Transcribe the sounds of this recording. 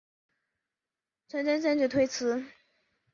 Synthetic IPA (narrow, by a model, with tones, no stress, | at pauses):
t͡sʰə˧˥nʈ͡ʂə˥nʈ͡ʂə˥˧nʈ͡ʂɻ̩˥˩t̪ʰwe˥ɪt͡sʰɹ̩˧˥